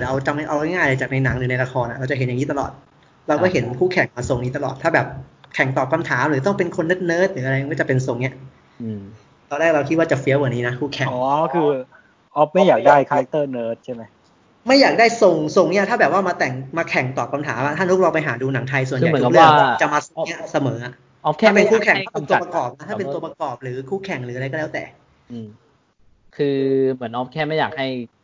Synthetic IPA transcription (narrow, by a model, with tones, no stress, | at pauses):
ʔa˧wt͡ɕa˧ma˧ʔaː˧lŋaː˥˩ja˨˦t͡ɕa˨˩na˧jna˩˦ŋɾɯ˩˦na˧jɾa˧kʰɔː˧nʔa˨˩ɾa˧wt͡ɕa˨˩ɦe˩˦ja˨˩ŋi˦˥t̪a˧lɔ̰ː˨˩t̪̚ | ɾa˧wkɔ˥˩ɦe˩˦nkʰuː˥˩kʰɛ˨˩ŋmaː˧so˧ŋniː˦˥t̪a˧lɔ̰ː˨˩t̪ʰːaː˥˩bɛː˨˩p̚kʰɛ˨˩ŋt̪ɔː˨˩ka˧mt̪ʰaː˩˦mɾɯː˨˩˦t̪ɔ˥˩ŋpe˧nkʰo˧nːeː˦˥t̪̚nɤː˦˥t̪̚ɾɯː˩˦ʔɾja˧ŋɔ˥˩t͡ɕa˨˩pe˧nso˧ŋni˦˥ɐʔ | t̪ɔː˧nɾɛː˥˩k̚ɾa˧wkʰi˦˥t̪waː˥˩t͡ɕa˨˩fi˧˦˥waː˨˩niː˦˥na˦˥kʰuː˥˩kʰɛ˨˩ɔː˨˦kʰɯː˧ | ʔɔ˦˥p̚ma˥˩jaː˨˩k̚daː˥˩jkʰa˧ɾa˦˥k̚t̪ɤː˥˩nɤː˦˥t̪̚t͡ɕʰa˥˩jma˦˥j | ma˥˩jaː˨˩k̚daː˥˩jso˧ŋso˧ŋni˦˥ɐt̪ʰaː˥˩bɛː˨˩waː˥˩maː˧t̪ɛ˨˩ŋmaː˧kʰɛ˨˩ŋt̪ɔː˨˩ka˧mt̪ʰaː˩˦mʔa̰˨˩ʔ̪ʰa˥˩t̪u˦˥k̚lɔː˧ŋpa˧jɦaː˩˦duː˧na˩˦ŋt̪ʰa˧js̬u˨˩nʰ˧˨˩lɯ˦˩ə˥˧t͡ɕa˨˩maː˧so˧˩ŋi˦˥ɐsa˧mɤː˩˦a˨˩˦ | kʰːpe˧nkʰuː˥˩kʰɛ˨˩ŋ˥˩˥u˧˩˧pa˧kɔː˨˩p̚na˦˥tʰaː˥pe˧nu˧ɐpɾa˧kɔː˨˩p̚ɾɯː˩˦kʰuː˥˩kʰɛ˨˩ŋɾɯː˩˦a˧ɾa˧jkɔː˥˩ɛː˦˥t̪ɛ̰ː˨˩ | kʰɯː˧mɯ˩˦ənʔɔː˦˥p̚kʰɛː˥˩ma˥˩jaː˨˩k̚ha˥˩j